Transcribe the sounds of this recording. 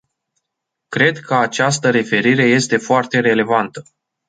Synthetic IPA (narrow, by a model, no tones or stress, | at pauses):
kɾe̞d̪kʰəat͡ʃast̪əɾe̞fe̞ɾiɾe̞je̞st̪e̞foart̪e̞ɾe̞le̞vant̪ə